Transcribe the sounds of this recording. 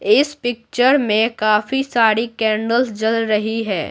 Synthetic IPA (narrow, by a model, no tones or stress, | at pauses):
ɪspɪk̚t͡ʃəɾmẽkaːfisaːɾikɛːɳɖəlsd͡ʒɐlɾɐɦiɦɛː